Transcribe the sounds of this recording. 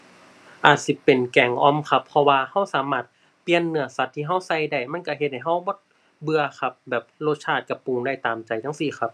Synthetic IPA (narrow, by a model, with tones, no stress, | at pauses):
ʔaː˨˩t̪̚si˧˦pe˨nkɛ˨˩ŋʔɔː˧˨mkʰa˧˩pʰːɔ˧waː˧ha˧˥˩wsaː˨˦maː˧˩t̪̚ | pi˧ənːɯ˧˦ɐsa˧t̪ʰːiː˧ɦa˧˥˩wsa˧˩˨jda˧˩jma˧˥˨nka˧˩ɦe˧t̪̚ha˨˩jɦa˧˥˩wbɔː˧˥t̪̚ | bɯ˧ɐkʰa˧p̚bɛː˨˩p̚loː˧t̪̚t͡ɕʰaː˧˩t̪̚ka˧˩puː˧˨ŋda˧˩jt̪aː˨mt͡ɕa˨jt̪ʰa˧˥˨ŋsiː˧˩xʰa˧p̚